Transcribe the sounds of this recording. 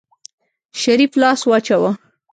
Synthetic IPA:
ʃaɾiflɑswɑt͡ʃawa

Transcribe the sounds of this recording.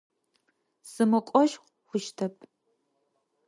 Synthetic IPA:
z̥ɨmɨkʷʼɔʃ | χʷʊʃtʰɐpʰʼ

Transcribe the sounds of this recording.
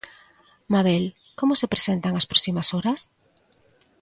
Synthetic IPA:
maβ̞el | komosepɾesent̪aŋaspɾosimasoɾas

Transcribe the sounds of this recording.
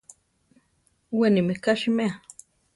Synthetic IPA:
wenimekaʃimea

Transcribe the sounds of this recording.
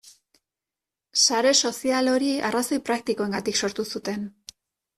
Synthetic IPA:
saɾe̞so̞sialo̞ɾiaraso̞jpɾak̚t̪iko̞e̞ŋɡat̪ikso̞ɾt̪usut̪e̞n

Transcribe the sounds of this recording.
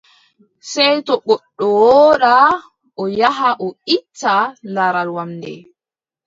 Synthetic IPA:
sɛjtɔɓɔɗːɔwɔɾa | ʔɔjaɦaʔɔitːalaɾalwamdɛ̰

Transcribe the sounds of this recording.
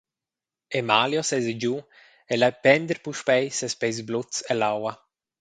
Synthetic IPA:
emaljɔsɛzed͡ʒu | elajpɛnd̪əɾpuʃpɛjsɛspɛjzblut͡sɛlawa

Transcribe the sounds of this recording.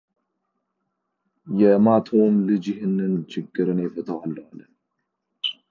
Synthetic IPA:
jɛmat̪ʰomlɨd͡ʒɪɦɨnːɨnt͡ʃʰɨɡːɨɾɨnefət̪ʰəwalːalə

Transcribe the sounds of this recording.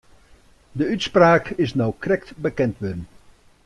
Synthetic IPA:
dəytspraːkɪsnɔwkrɛk̚tbəkɛntʋɪdən

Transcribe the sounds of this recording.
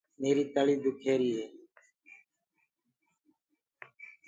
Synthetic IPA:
meːɾiːt̪əɭiːd̪ʊkʰeːɾiːɦeː

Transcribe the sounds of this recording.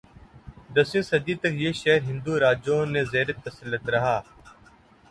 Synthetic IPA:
d̪ɐsẽːsɐd̪it̪ɐkjeːʃɛɦɾɦɪ̃nd̪uːɾaːd͡ʒõnezeːɾət̪ːɐsəlːət̪ɾɐɦaː

